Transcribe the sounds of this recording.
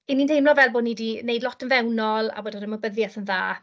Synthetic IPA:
ininejmlɔvɛlˠboːdnidinejdlˠɔtʰənvɛwnɔlˠa̰boːdədəməbəðjɛθənðaː

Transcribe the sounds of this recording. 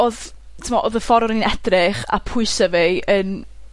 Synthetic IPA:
oð | tʰəmɔʔoðəfɔɾɔɾəninɛd̥rɪχa̰pʰʊɨsəveən

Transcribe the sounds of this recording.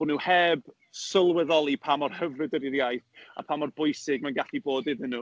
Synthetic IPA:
nuhɛb̥ | səlˠwɛðɔlˠipʰamɔrhəvrɨdəɾiɾjajθa̰pʰaːmɔrbʊjsɪɡ̚manɡaɬiboːdɪðənu

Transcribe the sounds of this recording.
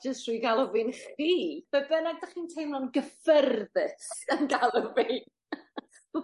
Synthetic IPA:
d͡ʒəstrujɡalˠɔvɪnχiːvɛbɛnaɡ̚daχiːntʰejmlɔnɡəfərðɨtənɡalˠɔvi

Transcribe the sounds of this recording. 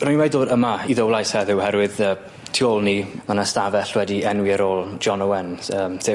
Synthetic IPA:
rʊnwɛdðoːdəmaiðəwlˠajshɛðɪwhɛɾwɪðəː | tʰiolˠnimanastavɛɬwɛdiɛnwiəɾoːlˠd͡ʒɔnəwɛnəːmsɪ

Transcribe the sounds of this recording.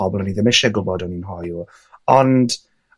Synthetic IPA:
ɔbɔlˠɔniðəmɪʃɛɡʊbɔdɔninɦɔju | ɔnd̥

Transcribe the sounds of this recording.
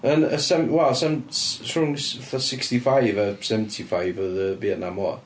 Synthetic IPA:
ənəsɛwɛlˠsɛmsʊŋsθəsɪkstifajvəsɛvəntʰifajvəðəbeːdnamɔ

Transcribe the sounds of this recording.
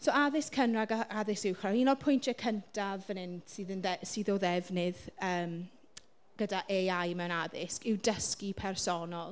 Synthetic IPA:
soaðɪskʰənraɡaaðɪsɪwχrainɔdpʰʊjntʰɛkʰəntʰavənɪnd̥sɨːðənðɛsiːðɔðɛvnɪðəːm | ɡ̥ədaʔeajmɛwñaðɪskɪwdəskipʰɛrsɔnɔlˠ

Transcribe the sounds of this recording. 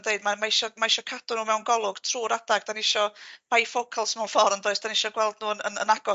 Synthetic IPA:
dejdmamaɪʃɔmaɪʃɔkʰadʊnuːmɛwnɡɔlˠʊɡ̥tʰruːɾadaɡ̚d̥anɪʃɔbajfokʰəlˠsmɛwnfɔrndoːɨsd̥anɪʃɔɡwɛlˠdnuːnə̰nə̰naɡɔ

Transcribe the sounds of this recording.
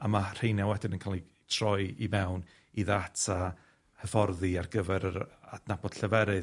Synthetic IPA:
amar̥ejnjawɛdɪnənkʰalˠi | tʰr̥ɔjimɛwn | iðatʰa | həfɔrðiarɡəvɛɾəɾadnabɔd̥ɬəvɛɾɨ

